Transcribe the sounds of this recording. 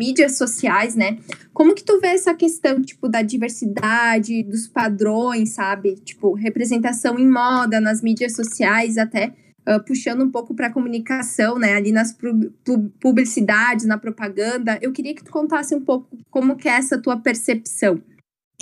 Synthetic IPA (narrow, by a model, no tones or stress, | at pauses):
mid͡ʒiɐsosiajsnɛkõmʊkɪ̥t̪uveɛsɐkest̪ɐ̃w̃t͡ʃi̥pʊd̪ɐd͡ʒiveɾsid̪ad͡ʒɪd̪ʊspad̪ɾõj̃sːabɪt͡ʃi̥pʊɦepɾezẽnt̪asɐ̃w̃ẽj̃mɔd̪ɐnɐzmid͡ʒiɐsosiajz̬at̪ɛ | ɛpuʃɐ̃nd̪ʊũpowkʊpɾɐkomũnikasɐ̃w̃nɛalinɐspupublisid̪ad͡ʒɪznɐpɾopaɡɐ̃nd̪ɐʔewkɪɾiɐkɪ̥t̪u̥kõnt̪asɪũpowkʊkõmʊkɪɛɛsɐt̪uɐpeɾsepsɐ̃w̃